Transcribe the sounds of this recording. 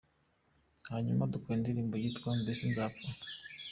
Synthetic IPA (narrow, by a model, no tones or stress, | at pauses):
haɲumadukoindiɾiːmbojitkwambisinzaːta